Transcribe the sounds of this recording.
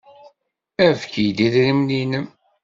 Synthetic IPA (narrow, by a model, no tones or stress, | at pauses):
æfkijd̪iðɾimlinəm